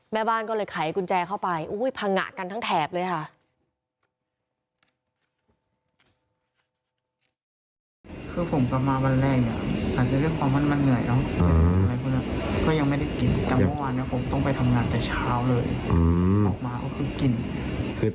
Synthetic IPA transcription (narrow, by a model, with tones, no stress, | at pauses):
mɛː˥˩baː˥˩nkɔː˥˩lɤː˧jkʰa˨˩˦jku˧nt͡ɕɛː˧kʰa˥˩wpa˧jʔu˦˥jpʰa˧ŋa̰˧˩ʔka˧nt̪ʰa˥ŋt̪ʰɛː˨˩p̚lɤː˧jkʰa˥˩ʔ | kʰɯː˧pʰo˩˦mka˧maː˧ba˧nlɛː˥˩k̚ni˧˩ʔaː˨˩t̪̚t͡ɕa˨du˥˩ə˨jkʰwaː˧mːa˧˥˨nma˧˥˨nnɯ˨˩əjnɔ˦˥˧a˧la˧jkʰu˧ni˧˥˩kɔː˥˩ja˧ŋma˥˩jdɾa˥˩jki˨nt̪ɛː˨˩˨ɔ˥˩waː˧nːi˦˥˩ɐ˨pʰo˨˦mt̪ɔ˥˩ŋpa˧jt̪ʰa˧mŋaː˧nt̪ɛː˨˩t͡ɕʰaː˦˥˨wlɤː˧jʔːɔː˨˩k̚maː˧ʔa̰˧˥˩kʰɯː˧ki˨˩n | kʰɯː˧